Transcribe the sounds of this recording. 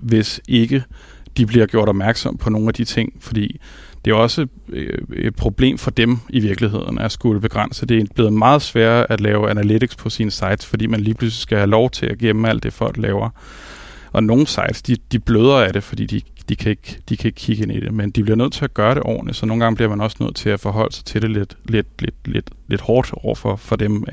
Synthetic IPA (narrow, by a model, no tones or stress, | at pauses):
ʋe̝se̝ɡ̥ə | d̥ib̥liɐɡ̥jo̝ɐ̰ɾ̥ɒ̽b̥mæɐɡ̥sɒ̽m̰pʰɒ̽no̝ːn̩æd̥it͡sʰe̝ŋ̰fɒ̽d̥ḭː | d̥e̝æɒ̽sə | ed̥̚pʰʁo̝b̥le̝̰ːmfɒ̽d̥emiʋiɐɡ̥liɦe̝ð̞̰ˠn̩æsɡ̥uləb̥e̝ɡ̥ʁɑn̰səd̥e̝b̥le̝ːð̩ˠmɑ̈ːð̞̩ˠsʋɛɐ̰æ̥lɛːʊænælidiɡ̥spʰɒ̽sinəsɑ̈ɪd̥sfɒ̽d̥ḭːmænliːpʰlus̬lisɡ̥æhælɒʊt͡sʰe̝læɡ̥emm̩æl̰d̥ːe̝fɒ̽l̰ɡ̥lɛ̰ːʊɐ | ʔɒ̽no̝ːn̩sɑ̈ɪd̥sd̥id̥ib̥løð̞ˠɐæɾ̥e̝fɒ̽d̥ḭːd̥i | d̥ikʰæe̝ɡ̥d̥ikʰæe̝ɡ̥kʰiɡ̥əe̝nid̥e̝mend̥ib̥liɐnøð̰ˠt͡sʰe̝æɡ̥ɶːɐɾe̝ʔɒ̰ːnli̥sɒno̝ːn̩ɡɑ̈ŋbliɐmænɒ̽snø̰ð̰ˠt͡sʰe̝æfɒ̽ɦɒ̽l̰əsɑ̈ɪt͡sʰe̝ɾe̝led̥led̥led̥led̥le̝d̥hɒːd̥ɒʊ̰ɐfɒ̽fɒ̽d̥em